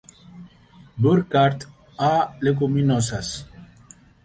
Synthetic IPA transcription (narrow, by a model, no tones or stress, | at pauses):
buɾkaɾt̪ | alek̬ominɔsas